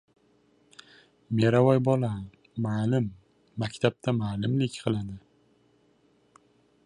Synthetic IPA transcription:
meɾavɒjbɒla | malɪmː | akʲt̪ʰap̚t̪ʰamaːlˠɪmlɪkʲqʰɨlˠad̪ɪ

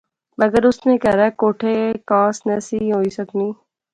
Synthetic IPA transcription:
mɐɡəɾʊsnekɛɾaɛkoːʈʰeekãːsnəsiɦoːisəkniː

